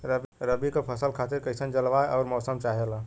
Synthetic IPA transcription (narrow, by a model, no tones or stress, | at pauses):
ɾəbɾəbikepʰəsəlkʰat̪iɾkəɪsənd͡ʒəlʋaeɔːɾmɔːsəmt͡ʃaɦela